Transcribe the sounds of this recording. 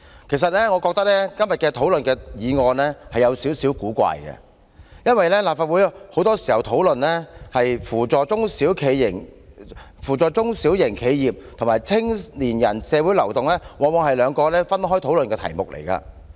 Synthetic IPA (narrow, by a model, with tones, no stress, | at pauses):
kʰe˨˩js̬ɐ˨t̚lɛː˥ŋɔː˨˧kɔː˧k̚t̪ɐ˥k̚lɛː˥kɐ˥mjɐ˨t̚kɛː˧t̪ʰo˨˥wlɵ˨nkɛː˧jiː˨˧ŋɔː˧nlɛː˥hɐ˨jɐ˨˧wsi˨˥wsiː˨˥wkuː˨˥kʷa̰ː˧˨jkɛ̰˧ | jɐ˥nwɐ˨jlɛː˥laː˨p̚faː˧t̚wuː˨˥jho˨˥wt̪ɔː˥si˨˩hɐ˨wt̪ʰo˨˥wlɵ˨nlɛ˥hɐ˨jfuː˨˩t͡sɔː˨˩t͡sʊ˥ŋsiː˨˥wkʰe˨˧jɪ˨˩ŋ | fuː˨˩t͡sɔː˨jt͡sʊ˥ŋsiː˨˥wjɪ˨˩ŋkʰe˨˧jjiː˨p̚t̪ʰŋmaː˨˩jt͡sʰɪ˥ŋliː˨˩njɐ˨˩nsɛː˨˧wu˨˥jlɐ˨˩wt̪ʊ˨ŋlɛː˥wɔː˨˧mɔ˨˧ŋhɐ˨jlœː˨˧ŋkɔː˧lɛː˥fɐ˥nɦɔː˥jt̪ʰo˨˥wlɵ˨nkɛː˧t̪ʰɐ̰˨˩jmʊ˨k̚lʔḛ˨˩jkɐ̰ː˧